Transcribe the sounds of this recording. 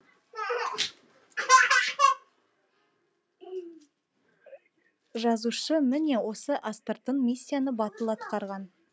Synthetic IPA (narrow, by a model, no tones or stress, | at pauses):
ʒɑzuʃəmɪne̞wo̞səʔast̪ərt̪ːəɴmʲisʲːijanəbɑt̪əlˠɑt̪qɑɾʁɑn